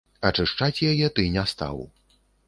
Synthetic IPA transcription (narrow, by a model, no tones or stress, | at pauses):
ɐt͡ʂɨʂt͡ʂat͡sʲjajɛt̪ɨnʲɛst̪a̰w